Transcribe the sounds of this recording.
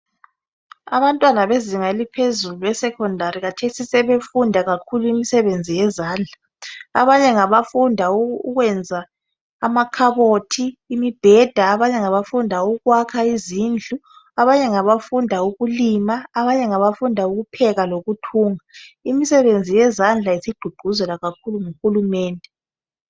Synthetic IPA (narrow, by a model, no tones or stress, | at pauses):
a̰βantʼwanaβeziŋaelipʰezuluwɛsɛkʰɔndʱaɾiɣatʰesisɛβefundʱaɣakʰuluimisɛβend͡zʱijɛzaːnd͡ɮʱa | a̰βaɲɛŋaβafundʱauɣwɛnd͡zʱaː | makʰaβotʰiːmib̥ʱɛd̥ʱaːβaɲɛŋaβafundʱauɣwakʰaizind͡ɮʱuaβaɲɛŋaβafundʱauɣulimaːβaɲɛŋaβafundʱauɣupʰɛɣaloɣutʰuːŋaimisɛβend͡zʱijɛzand͡ɮʱaisiɡ͡ǃ̥ʱuɡ͡ǃ̥ʱuzɛlaɣakʰuluŋuxulumɛːndʱɛ